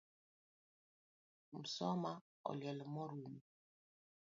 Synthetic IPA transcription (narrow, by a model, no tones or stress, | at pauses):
m̩sɔma | ɔ̰ljɛlɔmɔɾumi